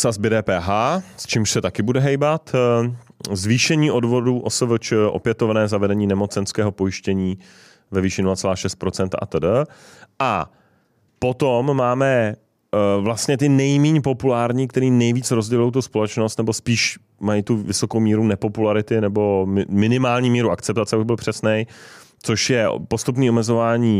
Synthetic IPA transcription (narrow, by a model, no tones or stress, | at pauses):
sazbɛdɛːpɛːɦaːst͡ʃiːmʃsɛt̪akɪbudɛɦɛjbat̪ | zviːʃɛɲiːʔo̞dvo̞duːʔosəvət͡ʃʔo̞̰pjɛt̪o̞vnɛːzavɛdɛɲiːnɛmo̞t͡sɛnskɛːɦo̞po̞jɪʃcɛɲiː | vɛviːʃɪnulat͡sɛlaːʃɛst̪̚pɾo̞t͡sɛnt̪aʔa̰t̪ədəʔa | po̞t̪omːaːmɛ | vlast̪ɲɛt̪̬ɪnɛjmiːɲpo̞pulaːɾɲik̚t̪ɛɾiːnɛjviːt͡sɾo̞zɟɛlujowt̪̬uspo̞lɛt͡ʃno̞st̪nɛbo̞spiːʃ | majit̪uvɪso̞kowmiːɾunɛpo̞pulaɾɪt̪ɪnɛbo̞mɪmɪnɪmaːlɲiːmiːɾuʔakt͡sɛp̚t̪at͡sɛabɪbɪlpr̥ɛsnɛj | t͡so̞ʃjɛ̰po̞st̪up̬niːo̞mɛzo̞vaːɲiː